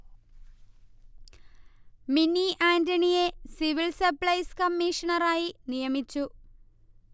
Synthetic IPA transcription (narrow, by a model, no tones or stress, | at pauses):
miniʔaːndɐɳije̞siʋilsɐpɭɐjskɐmːiːʂɐɳɐraːjinijɐmit͡ɕːu